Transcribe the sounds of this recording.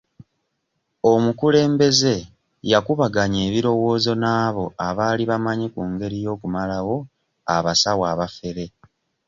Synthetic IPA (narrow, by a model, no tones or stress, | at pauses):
omukule̞ːmbe̞ze̞ | jakuβaɡaɲe̞ːβiɾo̞wo̞ːzo̞naːβo̞aβaːliβamaɲikuːŋɡe̞ɾijo̞ːkumalawo̞ | a̰βasawaːβafe̞ɾe̞